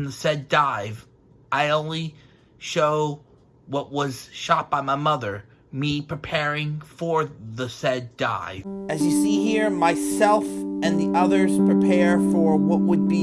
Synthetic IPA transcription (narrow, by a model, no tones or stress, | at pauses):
nðɨsɛdaɪv | ʔaɪõʊ̃nli | ʃoʊ | wʌʔ̚wʌz̥ʃɑt̚b̥aɪmaɪmʌðə˞ | mipʰɹ̥ipʰɛɹɪ̃ŋfə˞ðɨsɛda̰ɪɨzjɨsiɦiɹmaɪsɛlˠfɨ̃nðiʔʌðə˞z̥pʰɹ̥ipʰɛɹfə˞wʌʔ̚wəd̚bi